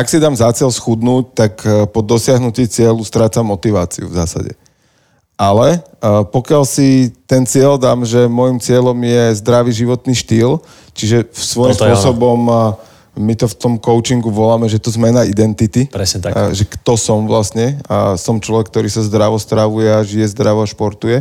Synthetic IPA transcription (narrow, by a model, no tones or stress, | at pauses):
ʔaksid̪aːmzat͡sɪɛlsxud̪nuːc̚t̪akpɔd̪ɔsɪaɦnuciːt͡sɪɛlust̪ɾaːt͡samːɔt̪iʋaːt͡sḭṵvza̰ːsa̰ɟɛ̰ | ʔalɛpɔkɪalsit̪ɛnt͡sɪɛld̪aːmʒɛmɔjimt͡sɪɛʎɔmjɛzd̪ɾaʋiʒiʋɔt̪niːʃt̪iːl | t͡ʃiʒɛsʋɔjimmspʊɔsɔbɔm | mit̪ɔft̪ɔmkɔʊt͡ʃiŋɡuʋɔlamɛʒɛt̪ɔzmɛnaid̪ɛnt̪it̪ipɛsɛt̪aʒɛkt̪ɔsɔmʋlasɲɛasɔmt͡ʃlɔʋɛk̚ːt̪ɔɾiːsazd̪ɾaʋɔst̪ɾaʋujɛaʒijɛzd̪ɾaʋɔaʃpɔɾt̪ujɛ